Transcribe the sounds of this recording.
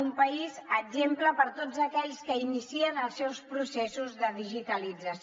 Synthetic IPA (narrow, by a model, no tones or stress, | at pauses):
umpəizəʒempləpəɾt̪od͡zəkɛʎskəinisiənəlˠsɛwspɾusɛsuzðəðiʒit̪əlid͡zəs